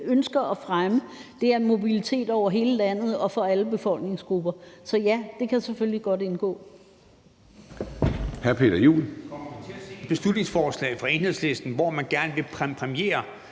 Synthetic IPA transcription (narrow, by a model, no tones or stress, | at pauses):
ønsɡ̥ɐʔɒfʁaməd̥e̝æɐnmo̝bilit͡sʰe̝̰ːd̥ɒʊ̰ɐɦe̝ːləlæn̰ð̞̩ˠɒ̽fɒ̽æləb̥e̝fɒ̽l̰ɡ̥ne̝ŋsɡ̥ʁub̥ɐsɒ̽jæd̥e̝kʰæsefølliɡ̥ɒ̽d̥e̝nɡ̥ɔ̰̽ː | hæɐpʰe̝̰ːd̥ɐjṵːl | b̥e̝slud̥ne̝ŋsfɒːslɛ̰ɪfʁɑ̈e̝nhe̝ðˠsle̝sd̥n̩ʋɒmænɡ̥æɐnəʋe̝pʰpʰʁɛmie̝̰ːɐ